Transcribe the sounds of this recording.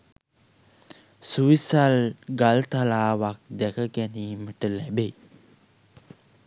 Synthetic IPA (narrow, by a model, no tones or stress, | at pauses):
suʋisalɡalt̪alaːʋak̚d̪ækəɡæniːməʈəlæbe